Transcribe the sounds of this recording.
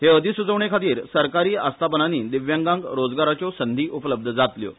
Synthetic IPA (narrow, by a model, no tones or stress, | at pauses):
ɦ̪eəd̪ʱisud͡zəʋɳekʰat̪iːɾsəɾkaɾiːast̪ʰapənaniːd̪iʋjãŋɡãŋɡɾod͡zɡaɾat͡ɕosənd̪ʱiːʔupləb̚d̪ʱəd͡zat̪ljo̰